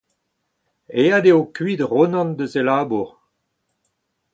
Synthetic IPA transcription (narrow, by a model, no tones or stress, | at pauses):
eadeokɥid̪ʁonɑ̃nd̪əzelaːbuʁ